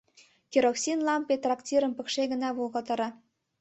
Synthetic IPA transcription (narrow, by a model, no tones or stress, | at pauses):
kʲiɾoksʲinlɑmpet̪rɑktʲiɾə̆mpə̆kʃeɣə̆nɑβulɣɤt̪ɤ̆ɾɑ